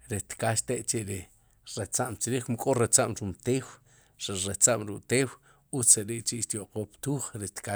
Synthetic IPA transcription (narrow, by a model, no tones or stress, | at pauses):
ɾet̪kaʃt̪eʔt͡ʃiʔɾi | ɾet͡saʔmt͡ʃiɾiːχmukʼoɾet͡saʔmɾumt̪eːw | ɾiɾet͡saʔmɾuʔt̪eːw | ut͡seɾiʔt͡ʃiʔʃt̪joʔqoːpt̪uːχɾet̪ka